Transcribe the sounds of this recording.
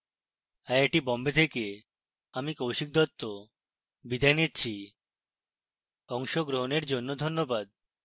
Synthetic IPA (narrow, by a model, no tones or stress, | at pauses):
ɛeʈibɔmbet̪ʰeke | amikowʃik̚d̪ɔt̪ːo | bid̪ʱajnitːt͡ɕʰi | ɔŋʃoɡɾoɦoneɾd͡ʑonːod̪ʱonːobad̪̚